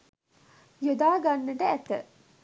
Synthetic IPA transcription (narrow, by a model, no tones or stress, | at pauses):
jod̪aːɡanːəʈəæt̪ə̰